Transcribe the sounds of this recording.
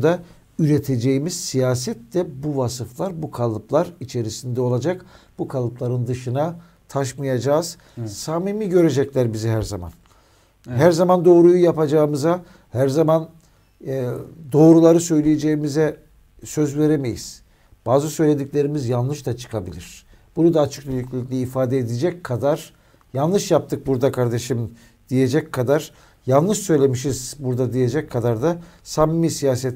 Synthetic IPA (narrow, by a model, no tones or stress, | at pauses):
ud̪a | yɾe̞t̪ʰe̞d͡ʒe̞jimiz̥sijaːs̬ɛt̪lɛbuvasɯflˠaɾbukʰalˠɯplˠaɾit͡ʃʰe̞ɾisind̪ɛo̞lˠad͡ʒakbukʰalˠɯplˠaɾɯnd̪ɯʃɯna | t̪ʰaʃmajad͡ʒaːz̥ | saːmimiɟø̞ɾe̞d͡ʒɛclʲæɾbizɛɦæɾza̰ma̰n | ɦæɾzamand̪o̞ːɾujujapad͡ʒaɯmɯza | hæɾzaman | d̪o̞ːɾulˠaɾɯsø̞jlʲije̞d͡ʒe̞jimizɛ | sø̞zve̞ɾe̞me̞jḭz̥ | b̥aːzɯsø̞jlʲe̞d̪iclʲe̞ɾimizjanlˠɯʃd̪at͡ʃʰɯ̥kʰabilʲiɾ̥ | b̥unud̪aːt͡ʃʰɯ̥k̚bylyclʲilʲicʲlʲiifaːd̪eːd̪ed͡ʒɛckʰad̪aɾ̥ | jalˠlˠɯʃjap̚t̪ʰɯk̚buɾd̪akʰaɾd̪e̞ʃim | d̪̥ije̞d͡ʒɛckʰːad̪aɾ̥ | jalˠlˠɯʃsø̞jlʲe̞miʃizbuɾd̪ad̪ije̞d͡ʒɛckʰːad̪aɾd̪asamimisijaːsɛt̪